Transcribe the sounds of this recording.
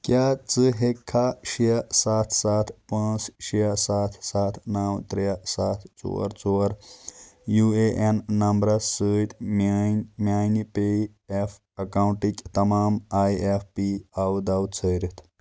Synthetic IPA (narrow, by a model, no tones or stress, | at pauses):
kjat͡sɨɦekʰːaɕijɐsat̪ʰsat̪ʰpãsɕijɐsat̪ʰsat̪ʰnawt̪ɾjasat̪ʰt͡sṵɐ̰ɾt͡soəɾ | jueʔenːɐmbɾɐsəːt̪ʲmanmjajnipe | ef | ɐkawɳʈikʲt̪ɐmaːmajefpiawd̪awt͡sʰəɾit̪ʰ